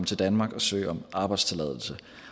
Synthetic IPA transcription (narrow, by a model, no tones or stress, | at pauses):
mət͡sʰe̝ld̥ænmɑ̈ːɡ̥ɒ̽sø̰ːɒ̽mʔɑ̈ːb̥ɑ̈ɪd̥st͡sʰe̝lɛðˠl̩sə